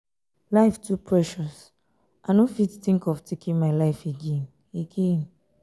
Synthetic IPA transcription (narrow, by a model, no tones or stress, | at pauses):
laɪftʰupʰɹɛʃɔs | ʔanõfitθĩŋkɔvtʰekʰĩnmaɪlaɪfeɡẽn | eɡẽn